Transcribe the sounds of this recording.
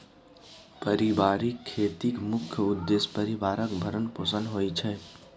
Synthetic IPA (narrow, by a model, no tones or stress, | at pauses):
pəɾibaːɾikʰːeːt̪ikmʊkʰjʊd̪ːespəɾibaːɾəkbʱəɾənpoːsə̃nɦoːit͡ʃʰɛː